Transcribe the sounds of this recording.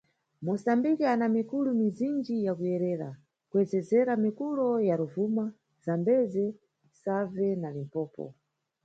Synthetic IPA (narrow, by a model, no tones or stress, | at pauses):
mɔsambikianamikulumizind͡ʒijakujɛɾɛːɾa̰ | kuɛd͡zɛzɛɾamikulɔjaɾuvuma | zambɛzɛ | savɛnalimpɔːpɔ̰